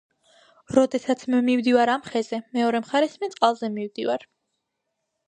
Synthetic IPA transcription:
ɾɔd̪ɛsat̪sʰmmivd̪ivaɾamχɛzɛmɛɔɾɛmχaɾɛsmɛt̪sʼqʼalˠzɛmivd̪ivaɾ

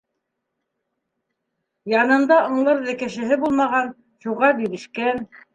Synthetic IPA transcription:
jɑnɤ̆nd̪ɑŏɴlˠɤɾðɘ̆kɘ̆ʃɘ̆ɦɘbulˠmɑʁɑn | ʃuʁɑbiɾɘ̆ʃkæn

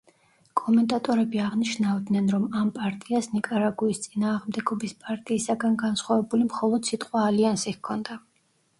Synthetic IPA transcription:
kʼɔmɛnt̪ʼat̪ʼɔɾɛbiaʁniʃnavd̪nɛnɾɔmampʼaɾt̪ʼiasnikʼaɾaɡuist̪sʼinaːʁmd̪ɛɡɔbispʼaɾt̪ʼiːsaɡanɡansχwavɛbulimχɔlˠɔd̪̥sit̪ʼqʼwaːliansikʰɔnd̪a

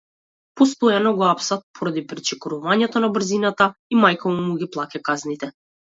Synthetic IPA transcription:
pɔst̪ɔjanɔɡɔapsat̪̚pʰɔɾad̪ipɾit͡ʃɛkɔɾuvaɲɛt̪ɔnabr̩zinat̪aimajkɔmumuɡiplˠacakaznit̪ɛ

